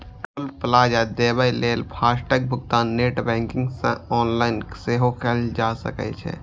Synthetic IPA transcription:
p | ʈolplad͡ʒad̪ebəjleːlpʰaːsʈək̚bʱʊɡt̪aːnːeːʈbɛ̃ːŋkɪ̃ŋɡsə̃ɔːnlaːɪnkseɦokʰeld͡ʒasə̰kɛ̰t͡ʃʰɛ̰

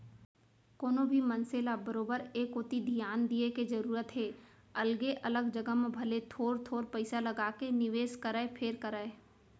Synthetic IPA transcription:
koːnõbʱimɐ̃nselabəɾoːbəɾeːkoːt̪id̪ʱijaːnd̪ieked͡ʒɐɾuːɾət̪ɦeː | ɐlɡeʔɐləɡd͡ʒɐɡəmẽbʱɐlet̪ʰoːɾt̪ʰoːɾpəɪsalɐɡaːkenɪʋeːskəɾəepʰeːɾkəɾəe

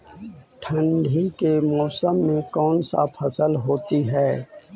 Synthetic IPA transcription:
ʈʰə̃ɳɖʱikemɔːsəmːẽkɔːnsa̰pʰɐsəlɦoːt̪iɦɛː

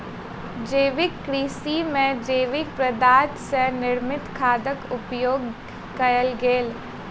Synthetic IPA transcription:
d͡ʒeːʋɪkːɾiːsimẽd͡ʒeːʋɪk̚pɾɐd̪aːt̪senɪɾmɪt̪kʰaːd̪əkʊpjoːɡ | kɐjəlɡeːl

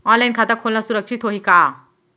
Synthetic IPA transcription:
ɔ̃nlainkʰat̪akʰolnasuɾəkʂʰit̪ɦoɦika

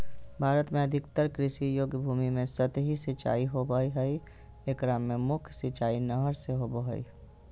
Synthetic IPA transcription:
bʱaːɾət̪mẽɐd̪ʱɪkt̪əɾkɾɪʃijoːɡbʱuːmimẽsət̪ɦisɪt͡ʃa̰ːiɦobaːiɦəi | eːkɾaːmːẽmʊkʰsɪt͡ʃaːinəɦəɾseɦoboɦə̰ḭ

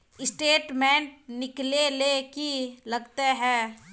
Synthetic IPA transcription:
ɪsʈeːʈmẽːɳʈ̚nɪklelekilɐɡt̪eɦɛ̃ː

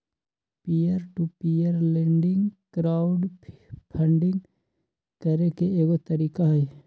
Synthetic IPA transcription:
pijəɾʈupijəɾlɛ̃ɳɖɪ̃ŋɡkɾaːʊɖpʰə̃ɳɖɪ̃ŋɡ | kɐɾekeeːkot̪ɐɾiːkaɦɛː

